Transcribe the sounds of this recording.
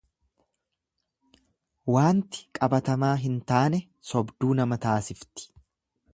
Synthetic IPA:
waːnt̪ɪ̥kʼɐbɐt̪ɐmaːɦɪnt̪aːnɛ | sɔbd̪uːnɐmɐt̪aːsɪft̪ɪ̥

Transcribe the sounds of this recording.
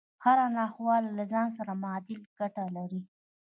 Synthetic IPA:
haɾanɑxwɑllazɑns̬aɾamɑd̪ɪlɡ̥aʈalaɾi

